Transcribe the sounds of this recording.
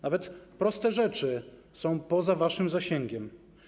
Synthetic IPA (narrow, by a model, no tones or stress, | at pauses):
navɛt̪pɾɔst̪ɛʐɛt͡ʂɘsɔ̃w̃pɔzavaʂɘmzaɕɛŋɡʲɛm